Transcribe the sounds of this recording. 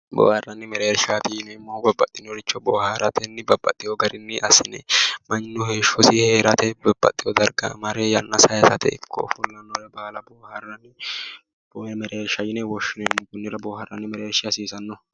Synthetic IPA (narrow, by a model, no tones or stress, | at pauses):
bo̰ːhɐrːɐnːɪmɛɾeːɾʃaːt̪inɛmːobɐbːɐt̪ʼːɪnɔɾɪt͡ʃːɔbɔːhaɾɐt̪ʰɛnːɪbɐbːɐt̪ʼːɪjɔɡɐɾɪnːɪʔɐsɪnɛmɐɲːʊheːʃɔsɪheːɾɐt̪ɛbɐb̥ːɐ̰t̪ʼːɪjɔd̪ɐɾɡɐ̰mɐɾɛjɐnːɐsɐjsɐt̪ʰɛ̰ɪ̰kʰːɔ̰fʊlːɐnːɔɾɛbaːlɐboːhɐrːɐnːɪ | bomɛɾeːɾʃɐjɪnɛwɔʃːɪnɛɪmːɔɡʊnːɪɾɐboːhɐrːɐnːɪmɛɾeːɾʃɪɐsiːsɐnːɔ